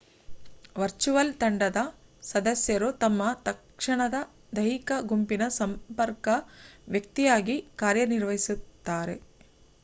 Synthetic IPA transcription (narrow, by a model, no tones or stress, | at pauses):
ʋɐɾt͡ʃuʋɐlt̪ɐɳɖɐd̪ɐsɐd̪ɐsjɐɾut̪ɐmːɐt̪ɐkʂɐɳɐd̪ɐ | d̪ɐɦikɐɡumpinɐsɐmpɐɾkɐʋjɐk̚t̪ijaːɡikaːɾjɐniɾʋɐɦisut̪ːaːɾe̞